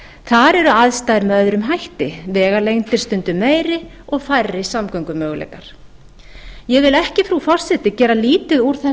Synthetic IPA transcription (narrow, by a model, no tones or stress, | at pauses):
θaɾɛɾʏaðst̪aːðɪɾmœðɾʏmɦajht̪ɪvɛːɣalejŋnt̪ɪɾ̥st̪ʏnt̪ʏmeːjɾɪ | ɔɣfajrːɪsamkœɥŋkʏmœːɣlɛ̰kaɾ̥ | jɛɣvɪlɛhcɪfɾufɔr̥sɛt̪ɪcɛːɾaliːt̪ʏðuɾ̥θɛ